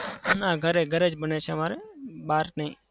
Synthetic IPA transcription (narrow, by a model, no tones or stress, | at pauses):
nãɡʱəɾeɡʱəɾed͡ʒbənet͡ʃʰemaɾeɓaɾnəɦĩ